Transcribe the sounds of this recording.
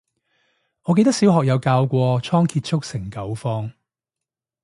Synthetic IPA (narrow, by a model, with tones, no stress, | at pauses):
ɔ˨˧k̬e˧jt̪ɐ˥ksiː˨˥wɦɔː˨k̚jɐ˨˧wkaː˧wkʷɔː˧t͡ʃʰɔː˥ŋkʰiː˧t̚t͡ʃʰʊ˥k̚sɪ˨˩ŋkɐ˨˥wfɔː˥ŋ